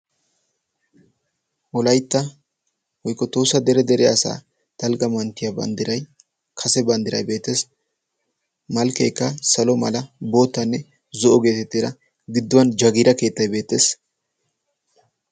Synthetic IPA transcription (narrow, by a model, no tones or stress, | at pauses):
wɔlɐjt̪ːɐ | wɔjkːɔt̪oːsːɐd̪ɛɾɛd̪ɛɾɛɐsa̰ː | t̪ɐlɡɐmɐnt̪ːɪjɐbɐ̰nd̪ɪɾɐj | kʰɐsɛbɐnd̪ɪɾɐ̰jbe̞ːt̪ːeːs | mɐlkɛjkːɐsɐlɔmɐ̰lɐbo̞ːt̪ːɐnːɛ | zɔʔɔɡe̞ːt̪ɛt̪ːeɾɐ | ɡɪd̪ːʊwɐnd͡ʒɐɡɪɾɐke̞ːt̪ːɐjbe̞ːt̪ːe̞ːs